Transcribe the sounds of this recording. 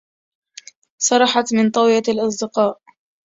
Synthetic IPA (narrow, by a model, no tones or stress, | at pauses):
sˤɑɾˤɑħɑt̪mɪnt̪ˤɑwjalʔɑsˤd̪ɪqɑːʔ